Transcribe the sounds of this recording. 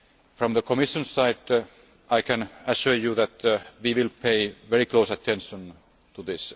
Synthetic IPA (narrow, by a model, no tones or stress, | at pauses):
fɹɔ̃mðəkʰɔmɪʃə̃nsaɪd | ʔaɪkʰæ̃næʃʊɹjuðæt̪ʋiʋɪlpʰeɪʋɛɹikloʊsæt̪ʰɛ̃nʃə̃n | t̪uðɪs